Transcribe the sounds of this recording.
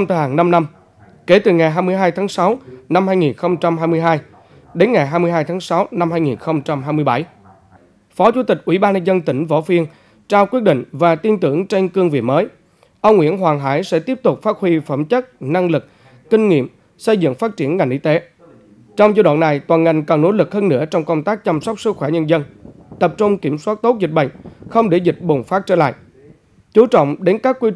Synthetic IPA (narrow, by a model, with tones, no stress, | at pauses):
t̪ːɦaː˨˩ŋna˧mna˧m | ke˧˩t̪ɨ˨˩ŋa˨˩jɦaː˧jmɨ˧əjɦaː˧jt̪ʰaː˨˦ŋsa˨˦wna˧mhaː˧jŋi˨˩nxə˧wŋ͡mt͡ɕa˧mɦaː˧jmɨ˧əjɦaː˧j | ɗe˨˦nŋa˨˩jɦaː˧jmɨ˧əjɦaː˧jt̪ʰaː˨˦ŋsa˨˦wna˧mhaː˧jŋi˨˩nxə˧wŋ͡mt͡ɕa˧mɦaː˧jmɨ˧jɓa˧˩j | fɔ˨˦t͡ɕu˨˦t̪ï˨˩k̟̚ʔwḭ˧˩ɓaː˧nːɲə˧nzə˧nt̪ï˧˩ŋ̟vɔ̰˧˥fi˧ən | t͡ɕaː˧wkwi˦˥t̚ɗḭ˧˨ŋ̟vaː˨˩t̪i˧nt̪ɨ̰˧˩əŋt͡ɕe˧nkɨ˧əŋvḭ˧˨məː˨˦j | ʔə˧wŋ͡mŋwḭ˧˥ənɦwaː˨˩ŋɦa̰ː˧˥jsɛ̰˧˥t̪i˦˥əp̚t̪ʊ˨˩k͡p̚faː˦˥t̚hwi˧fə̰˧˩mt͡ɕə˦˥t̚na˧ŋlɨ˨˩k̚ | kï˧ŋ̟ŋḭ˧˨əm | sə˧jzɨ̰˧˨ŋfaː˦˥t̚t͡ɕi˧˩ənŋa˨˩jŋʔi˧t̪e˨˦ | t͡ɕɔ˧wŋ͡mzɨ̰˧ɗa̰˧˨nːa˨˩jt̪waː˨˩nŋa˨˩jŋ̟kɔ˨˩no˨˦lɨ˨˩k̚həː˧nːɨ̰˧˥ət͡ɕɔ˧wŋ͡mkə˧wŋ͡mt̪aː˦˥k̚t͡ɕə˧msa˦˥k͡p̚sɨ˦˥k̚xwɛ˧˩ɲə˧nzə˧n | t̪ə˨˩p̚t͡ɕʊ˧ŋ͡mki˧˩əmswaː˦˥t̚t̪o˦˥t̚zi˨˩ɓə̰˧˨ŋ̟xə˧wŋ͡mɗe˧˩zï˨˩t̚ɓʊ˨˩ŋ͡mfaː˦˥t̚t͡ɕəː˧la̰ː˧˨j | t͡ɕu˨˦t͡ɕɔ̰˧˨wŋ͡mɗe˨˦nkaː˦˥kːwi˧